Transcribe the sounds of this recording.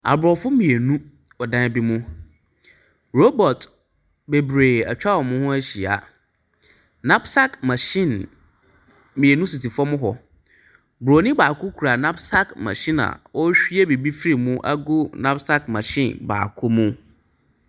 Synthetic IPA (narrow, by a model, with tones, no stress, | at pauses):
a̰˨bɾɔ˨fʊ˦mĩ˨e˨nũ˦ | ɔ˨dã˦˨bi˦mʊ̃˦ | ɾo˦bɔ˨t | be˨bɾeː˨a̰˨t͡ɕᶣa˦wɔ˨mʊ̃˦hʊ̃˦æ˦ɕi˨a̰˨ | nã˦bsa˦kmã˨ɕɪ̃˦˨n | mĩ˨e˨nũ˦si˨ti˨fɔ˦mʊ̃˦ɦɔ˨ | bɾo˨nĩ˦baː˨kʊ˦kʰu˨ɾa˨nã˦bsa˦kmã̰˨ɕĩ˦na̰˨wɔ˦ɕᶣi˦e˦be˨bi˦fɾi˦˨mʊ̃˦ʔa̰˦ɡʊ˦nã˦bsa˦kmã̰˨ɕḭ̃˦˨nba̰ː˨kʰʊ˦mʊ̃˦